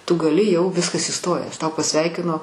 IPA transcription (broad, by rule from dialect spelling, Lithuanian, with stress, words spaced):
tʊ ɡɐˈlʲɪ jɛʊ ˈʋʲɪskɐs ˈiːstoːjæːs ˈtɐʊ pɐˈsʲʋʲɛɪkʲɪnoː